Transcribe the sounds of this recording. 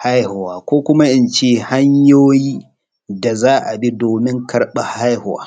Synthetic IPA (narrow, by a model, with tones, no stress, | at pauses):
ha˦jhʊ˨waː˨kʷoː˦kʷʊ˦ma˦ʔɪ˦nt͡ʃeː˦˨ha˦ɲjoː˦jiː˦ | da˨zaː˦ʔa˨bi˦doː˨mɪ˦ŋkʰɐ˦ɽɓa˨ha˦jhʊ˨wa̰ː˦